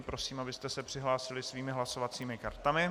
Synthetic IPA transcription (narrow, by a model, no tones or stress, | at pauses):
pɾo̞siːmabɪst̪ɛsɛpr̝̥ɪɦlaːsɪlɪsviːmɪɦlasovat͡siːmɪkaɾt̪amɪ